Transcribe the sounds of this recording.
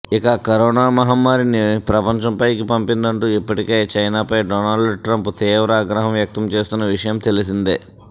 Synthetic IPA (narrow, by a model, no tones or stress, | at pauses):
ikɐkɐɾɔːnaːmɐɦɐmːaːɾinipɾɐpɐɲt͡ʃɐmpɐjkipɐmpind̪ɐɳʈuːipːɐʈikeːt͡ʃɐjnaːpɐjɖɔːnaːɭɖɖʈɾɐmpt̪iːʋɾɐaːɡɾɐɦɐmʋjɐk̚t̪ɐmt͡ʃe̞ːst̪unːɐʋiʂɐjɐmt̪e̞lisind̪e